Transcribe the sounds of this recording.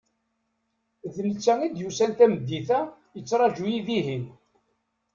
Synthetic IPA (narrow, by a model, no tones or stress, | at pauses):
ðlət͡sːæŋid̪jusænt̪æməd̪ːiθæ | jət͡sːɾˤɑd͡ʒujiðiɦin